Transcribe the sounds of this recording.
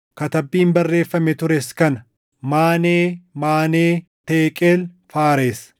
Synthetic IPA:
kɐt̪ɐbːiːmbɐrːe̞ːfːɐmɛt̪ʊɾɛskɐnɐ | maːneːmaːneːt̪eːkʼeːl | faːɾeːs

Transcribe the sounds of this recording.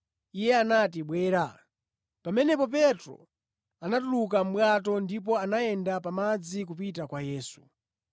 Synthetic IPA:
ijɛanat̬iɓwɛːɾa | pamɛnɛpɔp̬ɛtɾɔ̰ | anatuluk̬am̩ɓwat̬ɔndip̬ɔanaɛndapamad͡zik̬up̬itakwajɛːsu̥

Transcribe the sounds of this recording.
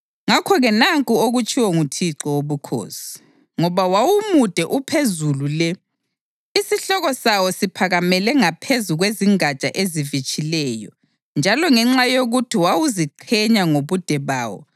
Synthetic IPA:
ŋakʰɔɣɛnaŋkʼuoɣut͡ʃʼiwɔŋutʰiǁɔwoβukʰo̰ːsi̥ | ŋɔβawawumud̥ʱɛʔupʰezululɛ | isiɬɔɣɔsawɔsipʰaɣamɛlɛŋapʰezuɣweziŋat͡ʃʼa̰ʔezivit͡ʃʼilɛːjɔ̰ | nd͡ʒʱalɔŋɛŋ͡ǁajoɣutʰiwawuziǃʰɛɲaŋoβud̥ʱɛβa̰ːwɔ̰

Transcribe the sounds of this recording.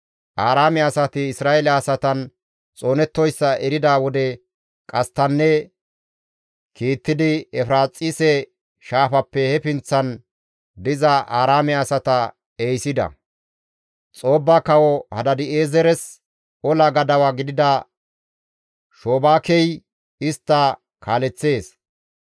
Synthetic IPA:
ʔaːɾaːmɛɐsɐt̪ɪːsɾaːɛlɛɐsɐt̪ɐn | t͡sʼo̞ːnɛt̪ːɔjsːɐʔɛɾɪd̪awɔd̪ɛ | kʼɐst̪ːɐnːɛ | kiːt̪ːɪd̪ɪɛfɾaːt͡sʼːɪsɛ | ʃaːfɐpːɛhɛpɪnt͡sːɐn | d̪ɪzɐʔaːɾaːmɛɐsɐt̪ɐ | ɛjsɪd̪ɐ̰ | t͡sʼo̞ːbːakɐwɔhɐd̪ɐd̪ɪeːzɛɾɛs | ɔlɐɡɐd̪ɐwaːɡɪd̪ɪd̪ɐ | ʃo̞ːbaːkɛj | ɪst̪ːɐ | kʰaːlɛt͡sːe̞ːs

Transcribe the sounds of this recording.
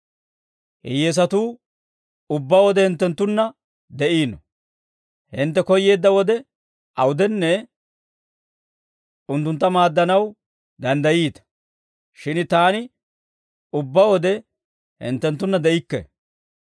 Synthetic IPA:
hɪ̰jes̬ɐt̪uː | ʊbːawɔd̪ɛhɪnt̪ːɛnt̪ːʊnːɐ | d̪ɛʔiːnɔ | hɪnt̪ːɛkɔjːe̞ːd̪ːɐwɔd̪ɛ | ʔɐwʊd̪ɛnːɛ | ʊnt̪ːʊnt̪ːɐmaːd̪ːɐnɐw | d̪ɐnd̪ɐjiːt̪ɐ̥ | ʃɪnt̪aːnɪ | ʊbːawɔd̪ɛ | hɪ̰nt̪ːɛnt̪ːʊnːɐd̪ɛʔɪkːɛ̰

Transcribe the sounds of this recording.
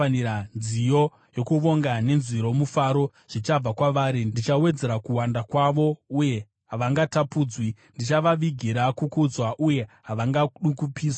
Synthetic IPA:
nianzijo̞ | jo̞kuʋo̞ŋɡane̞nziɾo̞mufaɾo̞ | ʐ̥it͡ʃab͡vakwaʋaːɾidit͡ʃawe̞d͡ze̞ɾakuwandakwaʋo̞uje̞ | ɦaʋaŋɡatapuːd͡zwindit͡ʃaʋaʋiɡʱiɾakukud͡zwaʔuje̞ɦaʋaŋɡaɗukupiːsaa

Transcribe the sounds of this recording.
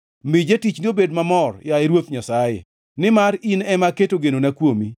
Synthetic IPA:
mɪd͡ʒatit͡ʃniobedmamɔrjaɪɾwot̪ɲasajḛ | nɪmaɾinɛmaketoɡenonakwomi

